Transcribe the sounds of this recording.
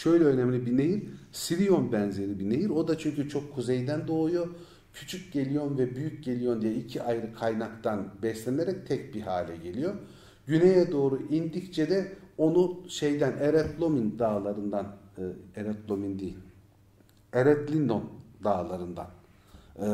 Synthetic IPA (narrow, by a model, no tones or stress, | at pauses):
ʃø̞jlʲɛønɛmlʲibinejiɾsiɾijo̞nbænze̞ɾibinejiɾo̞d̪at͡ʃʰyɲcyt͡ʃʰo̞kʰːuzejd̪ænd̪o̞ːlˠujo̞ | cʰy̥t͡ʃʰyc̚ɟe̞lʲijo̞nvɛbyjyc̚ɟe̞lʲijo̞nd̪ijɛicʰiʔajɾɯkʰajnakt̪anbɛslʲɛneɾɛc̚t̪ʰɛc̚biɦaːlʲɛɟe̞lʲijo̞ | ɟynejɛd̪o̞ːɾuʔind̪ict͡ʃʰɛd̪ɛo̞nuʃejd̪æneɾɛt̪lˠo̞mind̪aːlˠaɾɯnd̪aneɾɛt̪lˠo̞mind̪ejilʲ | eɾɛt̪lʲind̪o̞nd̪aːlˠaɾɯnd̪a̰n